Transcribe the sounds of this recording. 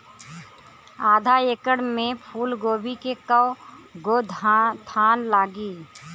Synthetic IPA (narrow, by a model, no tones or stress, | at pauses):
aːd̪ʱaeːkəɽmẽpʰuːlɡoːbikekəʊɡoːd̪ʱt̪ʰaːnlaːɡiː